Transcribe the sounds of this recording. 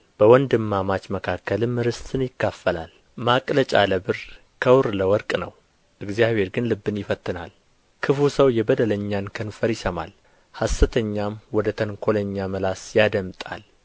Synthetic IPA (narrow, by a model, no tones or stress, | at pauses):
b̥əwɔnd̪ɨmːamat͡ʃməkʰakːəlɨmːɨɾɨst̪ʰɨnjɪkːafːəla̰l | makʼlət͡ʃʼa̰ləbɨɾ | kʰəwɾləwɔɾkʼnə̰w | ʔɨɡzijaβhe̞ɾɡɨnlɨbːɨnjɪfət̪ʰːɨnal | kʰɨfusəwjɛbəd̪ələɲːankʰənfəɾjɪsəma̰l | hasːɨt̪ʰəɲːamwɔd̪ət̪ʰəŋkʰo̞ləɲːaməlasjad̪əmt̪ʼa̰l